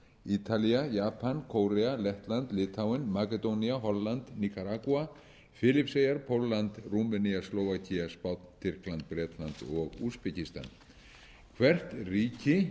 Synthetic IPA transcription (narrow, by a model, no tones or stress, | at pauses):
it̪ʰaliajaːpʰankʰowɾɛalɛht̪lant̪lɪːt̪ʰawɪnmakɛt̪owniaɦɔlːant̪nikaɾakua | fɪlɪpsejaɾpʰowlːant̪rumɛniasloːwvacʰiaspawt̪nt̪ʰɪr̥klant̪̚pɾɛːt̪lant̪ɔɣṵːspɛcist̪a̰n | kʰvɛr̥t̪riːcɪ